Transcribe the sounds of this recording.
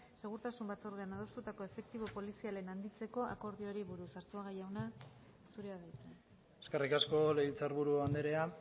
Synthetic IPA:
se̞ɣ̞uɾt̪asumbat͡so̞ɾðeanað̞o̞st̪ut̪ako̞e̞fe̞k̚t̪iβo̞po̞lisiale̞nand̪it͡se̞ko̞ʔa̰ko̞ɾðioɾiβuɾusaɾt͡suaɣajawna | suɾeaðajt̪e | eskerikasko̞leβilt͡saɾβuɾuand̪eɾea

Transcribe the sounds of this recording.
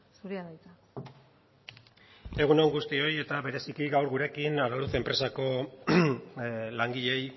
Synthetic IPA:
suɾiaðajt̪a | e̞ɣ̞uno̞ŋɡust̪io̞je̞t̪aβe̞ɾe̞sikiɡawɾɣuɾe̞kinaɾaluθe̞mpɾe̞sako̞ | laŋɡiʎe̞j

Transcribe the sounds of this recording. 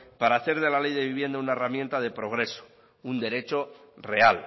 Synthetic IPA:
paɾaːθe̞ɾðe̞lalejðe̞βiβje̞nd̪aunaeramjent̪aðe̞pɾo̞ɣ̞ɾe̞so̥ | und̪e̞ɾe̞t͡ʃo̞re̞al

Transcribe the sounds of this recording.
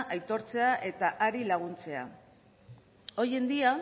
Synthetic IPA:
ʔajt̪o̞ɾt͡se̞aʔe̞t̪aʔaɾilaɣ̞unt͡se̞a̰ | o̞je̞nd̪ia

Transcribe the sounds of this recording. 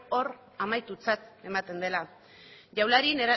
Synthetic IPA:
o̞ɾ | amajt̪ut͡sat̪e̞mat̪e̞nd̪e̞la | ʝawlaɾineɾa

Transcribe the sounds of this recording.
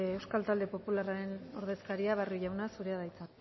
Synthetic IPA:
ewskalt̪ald̪e̞po̞pularaɾe̞no̞ɾðe̞skaɾiaβ̞aruʝawnasuɾe̞aðajt͡sa

